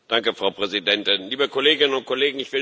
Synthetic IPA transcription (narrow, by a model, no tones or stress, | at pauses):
d̥aŋkəfʁ̥aʊpʁ̥ɛzidɛntɪnliːbəkʰoleːɡɪnənʊnt̚kʰoleːɡŋ̩ɪçv̥ɪ